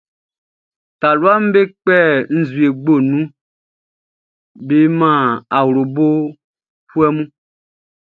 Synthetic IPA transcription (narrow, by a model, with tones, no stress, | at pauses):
ta˨lwa˦m̩˦be˦k͡pɛ˦n̩˦zwi˨e˨ɡ͡bo˦˨nũ˦ | be˦mã˦˨a˨wɾo˨bo˦ | hu˦ɛ˦mũ˦